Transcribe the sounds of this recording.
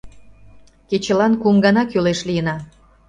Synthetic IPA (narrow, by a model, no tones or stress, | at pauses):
ket͡ɕə̆lɑnkumɡɑnɑkøleʃlijənɑ